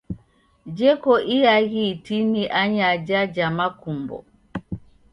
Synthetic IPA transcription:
d͡ʒɛkɔʔijaɣitiniʔaɲad͡ʒad͡ʒamakumbɔ̰

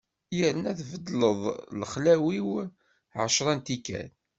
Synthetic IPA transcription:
jəɾənæθvəd̪ləðˤləχlæwiw | ʕə̰ʃɾˤɑnt̪ikːæ̰n

